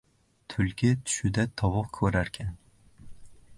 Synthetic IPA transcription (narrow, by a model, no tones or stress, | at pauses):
t̪ʰʊlkʲɪt̪ʰʊ̥ʃʊd̪at̪ʰɒwʊqkʰɵɾaɾkʲʰan